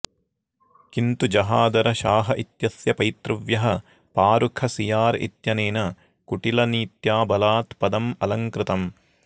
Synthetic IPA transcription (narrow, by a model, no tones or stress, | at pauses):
kint̪ud͡ʒɐɦaːd̪ɐɾɐʃaːɦɐʔit̪jɐsjɐpɐjt̪ɾɐʋjɐɦɐ | paːɾukʰɐsijaːɾḭt̪jɐneːnɐ | kuʈilɐniːt̪jaːbɐlaːt̪pɐd̪ɐmɐlɐŋkɾɪt̪ɐm